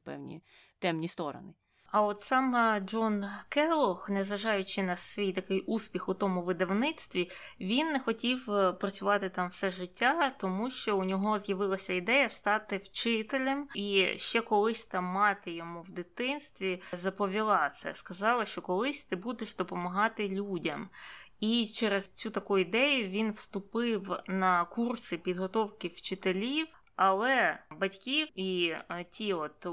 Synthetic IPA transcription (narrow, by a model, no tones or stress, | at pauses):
pɛ̰wnʲḭ | t̪ɛmnʲist̪ɔɾɔ̰nɪ | ɐɔt̪sɑmɐd͡ʒɔnkɛlˠɔxnɛzʋɐʒɑjʊt͡ʃɪnɐsʋʲijt̪ɐkɪjʔuspʲixʊt̪ɔmʊʋɪd̪ɐwnɪt̪st̪ʋʲiʋʲinːɛxɔtʲiwpɾɐt͡sʲʊʋɑt̪ɪt̪ɑmwsɛʒɪtʲːat̪ɔmuʃt͡ʃɔunʲɔɦɔzjɐʋɪlˠɐsʲɐid̪ɛjɐst̪ɑt̪ɪwt͡ʃɪt̪elʲɐmiʃt͡ʃɛkɔlˠɪsʲt̪ɪmːɑt̪ɪjɔmuwd̪ɪt̪ɪnst̪ʋʲizɐpɔʋʲilˠɑt̪sɛ̰skɐzɑlˠɐʃt͡ʃɔkɔlˠɪsʲt̪ɪbud̪eʃd̪ɔpɔmɐɦɑt̪ɪlʲudʲɐm | it͡ʃɛɾezt͡sʲut̪ɐkɔjʊid̪ɛjʊʋʲinwst̪ʊpɪwnɐkursɪpʲid̪ɦɔt̪ɔwkɪwt͡ʃɪt̪elʲiw | ɐlˠɛbɐtʲkʲiwitʲʰiɔt̪